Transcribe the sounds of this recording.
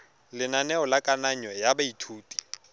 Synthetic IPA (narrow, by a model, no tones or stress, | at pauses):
lɪnanɛɔlakʼanaɲwɛjabaitʰuːtʼi̥